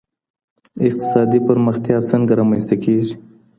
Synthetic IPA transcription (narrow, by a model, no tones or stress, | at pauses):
ɪq̚t̪ɪ̥sɑd̪ipəɾməxt̪jɑt͡səŋɡaɾɑmanst̪akeʒi